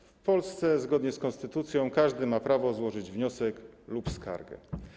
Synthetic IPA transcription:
fpɔlst̪sɛzɡɔd̪ɲɛskɔnst̪ɘt̪ut̪sʲjɔ̃w̃kaʐd̪ɘmapɾavɔzwɔʐɘd͡ʑvɲɔsɛklupska̰ɾɡɛ̰

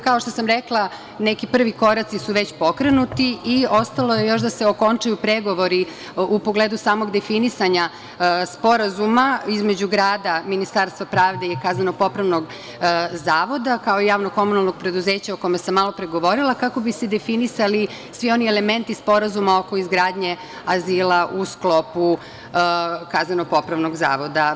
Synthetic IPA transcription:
kaoʃt̪o̞samɾeklˠa | nekipr̩ʋiko̞ɾat̪sisuʋet͡ɕpokɾe̞nut̪iio̞st̪alˠo̞je̞jo̞ʃd̪aseo̞ko̞nt͡ʃajupɾeɡo̞ʋo̞ɾi | upo̞ɡleːd̪usaːmo̞ɡd̪e̞finisaɲa | spo̞ɾazumaizme̞d͡ʑuɡɾaːd̪aminist̪aːɾst̪ʋapɾaːʋd̪eikaːznanoɡ̚po̞pɾaʋnoɡ | zaːʋo̞d̪akao̞ijaːʋnoko̞munalˠnoɡ̚pɾe̞d̪uze̞ːt͡ɕaokomesamːaːlo̞pɾeɡo̞ʋo̞ɾilˠakako̞bised̪e̞finisali | sʋio̞nieleme̞nt̪ispo̞ɾazumao̞ko̞izɡɾaːd̪ɲe̞ | aziːlaʔusklo̞pu | kaːzanoɡ̚po̞pɾaʋno̞ɡza̰ːʋo̞d̪a

